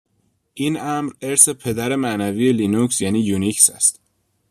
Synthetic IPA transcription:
ʔiːnʔæmɾeɾse̞pʰe̞d̪æɾe̞mænæviːje̞linuksjæːniːjunicsæ̰st̪

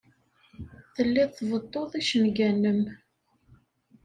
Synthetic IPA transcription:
θəlːiðθvət̪ˤːoðˤiʃənɡænːəm

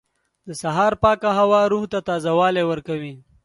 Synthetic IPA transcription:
d̪əsaɦɑːɾpɑkaɦawɑɾuht̪at̪ɑzawɑlewəɾkawi

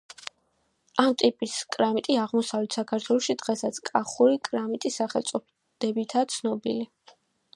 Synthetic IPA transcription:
amt̪ʼipʼiskʼɾamit̪ʼiaʁmɔsavlɛt̪ʰsakʰaɾt̪ʰwɛlˠɔʃid̪ʁɛsat̪sʰkʼaχuɾikʼɾamit̪ʼisaχɛlˠt̪sʼɔ | d̪̥ɛbit̪ʰat̪sʰnɔbḭli

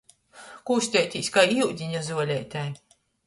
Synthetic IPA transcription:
kuːsʲt̪ʲɛt̪ʲisʲkajiwd̪ʲiɲazuɔlʲɛːt̪ʲæj

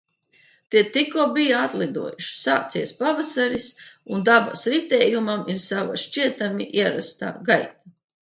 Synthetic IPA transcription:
t̪iɛt̪ikuːbijaat̪lˠid̪ṵɔjuʃi̥saːt̪siɛspavasaɾisund̪aba̰sɾit̪ɛːjumamiɾsava̰ʃt͡ʃiɛt̪amiʔiɛɾa̰st̪a̰ːɡajt̪a

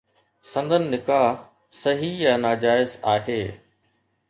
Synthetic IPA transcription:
sɐ̃nd̪ʱənɪ̆nːɪkaː | sɐɦijanaːd͡ʑaːɪzaːɦeː

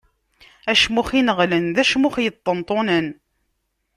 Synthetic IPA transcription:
æʃmuχinəʁlənðæʃmʊχjət̪ˤːənt̪ˤonən

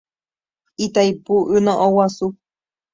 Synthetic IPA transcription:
it̪aipuʔɨnõʔowasu

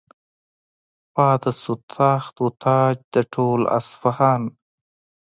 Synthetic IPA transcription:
paːd̪əsut̪ʰɑːxt̪ut̪ʰɑːd͡ʒd̪əʈʰoːla̰sfahɑːn

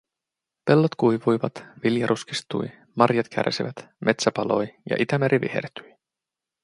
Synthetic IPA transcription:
pe̞lːot̪kujʋujʋɑt̪ʋiljɑɾʔuskist̪uj | mɑrjɑt̪kʰæ̰rsiʋæt̪ | mʔe̞t̪sæpɑlo̞jjɑ̰ʔit̪æmeɾʔiʋḭhḛrt̪yj

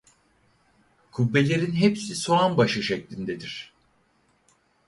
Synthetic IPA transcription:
kʰubːe̞lʲe̞ɾinɦepsiso̞anbaʃɯʃɛclʲind̪ɛd̪iɾ̥

